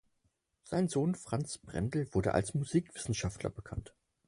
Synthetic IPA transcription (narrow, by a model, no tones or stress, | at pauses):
z̥aɪnzoːnfʁ̥ant͡sb̥ʁɛ̰ndl̩vʊɐdə̰ʔa̰lsmuziːkv̥ɪsn̩ʃaftlɐ̰bəkʰa̰nt